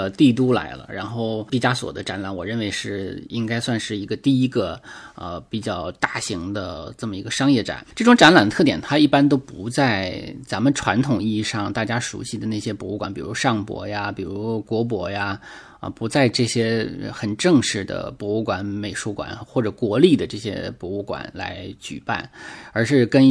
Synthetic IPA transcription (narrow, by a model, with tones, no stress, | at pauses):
t̪i˥˩t̪̬u˥la̰˧˥ɪlə̰˧ɻa˧˥nxo˥˩ʊpi˥˩t͡ɕja˥swɔ̰˨˩d̪ə˦ʈ͡ʂa˧˥nla˨˧˥nwɔ˨˩ɻə˥˩nwe˧˥ɪʂɻ̩˥˩i˥ŋka˥ɪswa˥˧nʂɻ̩˥˩i˧˥ɡə˧t̪i˥˩i˥ɡə˧ə̰˧pi˨˩t͡ɕjɑ˥˩ʊt̪a˥˩ɕi˧˥ŋd̪ə˧ʈ͡ʂɤ˥˩mə˩i˧˥ɡə˧ʂɑ˥ŋjɛ˥˩ʈ͡ʂa̰˨˩˦nʈ͡ʂɤ˥˩ʈ͡ʂʊ˧˥ŋʈ͡ʂa˧˥nla˨˩nd̪ə˧t̪ʰɤ˥˩t̪jɛ˨˩nt̪ʰa˥i˥˩pa˥nt̪̬o˥ʊpu˧˥t͡sa˥˩ɪt͡sa˧˥mə˨˧ʈ͡ʂʰwa˧˥nt̪ʰʊ˨˩ŋi˥˧ʂɑ˥˩ŋt̪a˥˩t͡ɕja˥ʂṵ˧˥ɕi˥˩d̪ə˩nea˥˩ɕjɛ˥pwɔ˧˥u˥˩kwa̰˨˩˥npi˨˩ɻu˧˥ʂɑ˥˩ŋpwɔ̰˧˥ja˧pi˨˩ɻu˧˥kwɔ˧˥p̬wɔ˧˥ja˧ | ə̰˧pu˧˥t͡sa˥˧ɪʈ͡ʂɤ˥˩ɕjɛ˥˧xə˨˩nʈ͡ʂɤ˥˧ŋʂɻ̩˧˩d̪ə̰˩pwɔ˧˥u˥˩kwa˧˥nme˨˩ɪʂu˧˥kwa̰˨˩nxwɔ˥˩ʈ͡ʂɤ˨˩kwɔ˧˥li˥˩d̪ə˩ʈ͡ʂɤ˥˩ɕjɛ̰˥pwɔ˧˥u˥˩kwa̰˨˩˦nla̰˧˥ɪt͡ɕy̰˨˩pa̰˥˩nə˞˧˥ʂɻ̩˥˧kə˥n